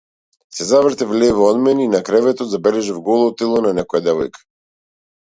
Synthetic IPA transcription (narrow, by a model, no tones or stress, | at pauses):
sɛzavɾt̪ɛvlɛvɔɔd̪mɛnɛinakɾɛvɛt̪ɔt̪zabɛlɛʒavɡɔlˠɔt̪ilˠɔnanɛkɔjad̪ɛvɔjkḁ